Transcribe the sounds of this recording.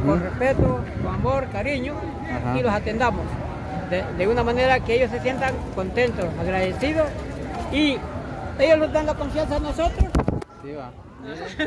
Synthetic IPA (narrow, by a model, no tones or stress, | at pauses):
konrespet̪okoamoɾkaɾiɲo | ilosat̪e̞nd̪amos | d̪ed̪eunamane̞ɾakeeʝosːe̞sjent̪aŋkont̪e̞nt̪osaɣɾaðesiðosi | ejosnlozd̪anlakoɱfjans̬anosot̪ɾos | i